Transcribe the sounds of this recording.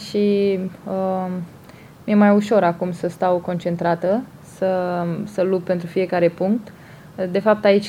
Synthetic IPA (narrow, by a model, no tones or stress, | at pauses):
ʃiə | mje̞majuʃo̞ɾakumsəst̪awko̞nt͡ʃe̞nt̪ɾat̪ə | səsəlub̚pe̞nt̪ɾufije̞kaɾe̞puŋk̚t̪ | d̪e̞fap̚t̪ait͡ʃʲ